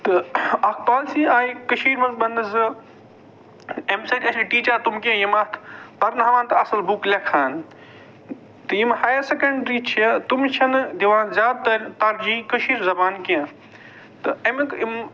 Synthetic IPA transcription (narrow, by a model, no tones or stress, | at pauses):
t̪ɨɐk̚ʰpaːlsiːaːjikəʃiːɾmɐŋk̚bɐnd̪ɐzɨ | emsɐʈʲɐsiʈiːt͡ʃaːt̪umkẽjimɐt̪ʰpɐɾnɦɐʋaːnt̪ɐɐsɐlbuklʲɐkʰaːn | t̪ɨjimhaːjɐɾsɐkɐɳɖɾiːt͡ʃʰiɐt̪umt͡ʃʰɐnd̪iʋaːnzʲjaːd̪̚t̪ɐɾʲt̪aɾd͡ʒiːkəʃiːɾzɐbaːnkẽɐ̃ | t̪ɨɐmkim